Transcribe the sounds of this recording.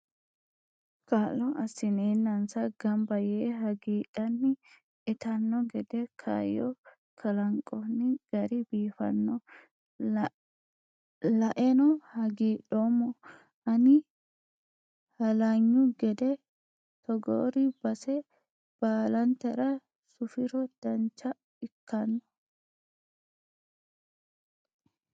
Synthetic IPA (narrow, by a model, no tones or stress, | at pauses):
kaːlːɔɐsːɪneːnːɐnsɐɡɐmbɐjɛːɦɐɡiːᶑɐnːɪ | ɛt̪ɐnːɔɡɛd̪ɛkʰa̰ːjɔ | kʰɐlɐŋkʼɔnːɪɡ̥ɐɾɪbiːfɐ̰nːɔ | lɐʔɛnɔhɐɡiːᶑɔmɔ | ʔɐnɪ | hɐlaːɲːʊɡɛd̪ɛ | t̪ɔɡo̰ːɾibɐsɛ | b̥aːlɐnt̪ɐɾɐ | sʊfɪɾɔd̪̥ɐnt͡ʃːɐ | ɪkːɐnːɔ̥